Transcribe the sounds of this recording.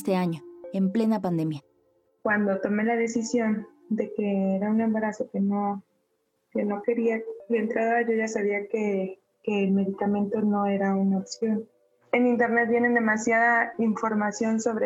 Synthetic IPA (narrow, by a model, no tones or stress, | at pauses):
st̪eaɲoemple̞napand̪e̞mja | kwand̪o̞t̪o̞me̞laðe̞sisjo̞n | d̪e̞ke̞eɾaune̞mbaɾaso̞ke̞no̞ | ke̞no̞ke̞ɾiabent̪ɾaðoaʝoʝasaβ̞iake | ke̞ːlme̞ðikamẽ̞nt̪o̞no̞e̞ɾaunaopsjo̞n | enĩnt̪e̞ɾnet̪̚bje̞ne̞nd̪e̞masjaðaiɱfo̞ɾmasjo̞nso̞βɾe